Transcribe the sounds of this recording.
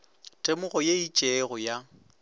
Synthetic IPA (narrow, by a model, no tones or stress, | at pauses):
tʼemʊɣɔjeit͡ʃʼɛɣʊja